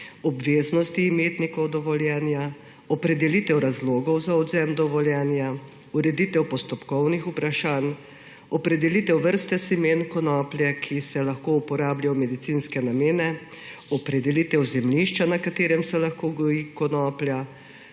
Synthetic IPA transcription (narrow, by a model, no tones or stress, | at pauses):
ɔbʋeːznɔst̪iːmeːt̪nikɔwd̪ɔʋɔljɛːnja | ɔpɾɛd̪ɛlit̪ɛwɾazloːɡɔwzaɔd̪zɛmd̪ɔʋɔljɛnja | uɾɛd̪it̪ɛwpɔst̪ɔpkɔwnixupɾaʃaːn | ɔpɾɛd̪ɛlit̪ɛwʋəɾst̪ɛsimeːnkɔnɔːplʲjɛkʰisɛlaxkoupɔɾaːbljaɔmɛd̪it̪inskɛnameːnɛ | ɔpɾɛd̪ɛlit̪ɛwzɛmliʃt͡ʃanakat̪eːɾɛmsɛlaxkoːɡɔikɔnɔːplʲja